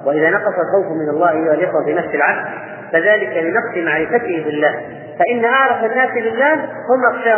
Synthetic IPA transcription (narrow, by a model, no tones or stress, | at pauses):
waʔɪðaːnɑqɑsˤɑlxawfmɪnalˤːɑːʔajːʊhalʔɪxwafiːnafsɪlʕab̚d̪̚ | faðaːlɪkalɪnɑqsˤɪmaʕɾɪfat̪ɪhɪbɪlːaːh | faʔɪnːaʔɑʕɾˤɑfanːaːslɪlːaː | hʊmʔɑxʃaː